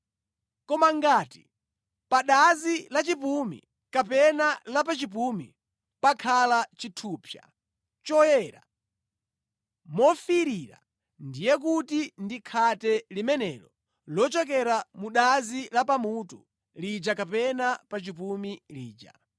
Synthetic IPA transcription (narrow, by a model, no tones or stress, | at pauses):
kɔmaŋɡaːti̥ | paɗazilat͡ʃipumḭ | kapɛnalapat͡ʃip̬umḭ | pakʰalat͡ʃitʰuːpʰja̰ | t͡ʃɔjɛɾa̰ | mɔfiɾiɾa̰ | ndijɛk̬utindikʰatɛlimɛnɛlɔ | lɔt͡ʃɔk̬ɛɾamuɗazilapamutu | lid͡ʒakapɛnapat͡ʃipumilḭːd͡ʒa̰